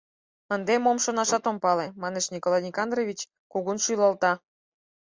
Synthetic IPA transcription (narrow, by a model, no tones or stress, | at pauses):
ənd̪emomʃonɑʃɑt̪ompɑlemɑneʃnikolɑjnʲikɑnd̪rovʲit͡ɕ | kuɣunʃujlɑlt̪ɑ